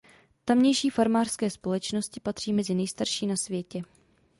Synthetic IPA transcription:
t̪amɲɛjʃiːfaɾmaːr̥skɛːspo̞lɛt͡ʃno̞scɪpat̪r̥iːmɛzɪnɛjst̪aɾʃiːnasvjɛcɛ

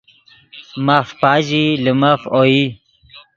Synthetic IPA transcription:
mafpaːd͡ʑilimafoi

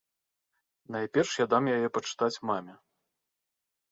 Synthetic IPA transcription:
najpʲɛrʂjad̪amjajɛpɐt͡ʂɨ̥t̪at͡sʲmamʲɛ

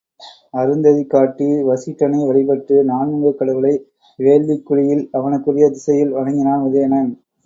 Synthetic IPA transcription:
ɐɾɯnd̪ɐðikːaːʈːiʋɐsɪʈːɐnɐɪʋɐɭɪpɐʈːɯnaːnɯŋɡɯkːɐɽɐʋɯlɐɪ | ʋeːɭʋikːʊɻɪjɪlɐʋɐnɯkːɯrɪjɐd̪ɪsɐjɪlʋɐɻɐŋɡɪnaːnʊðɐjɐnɐn

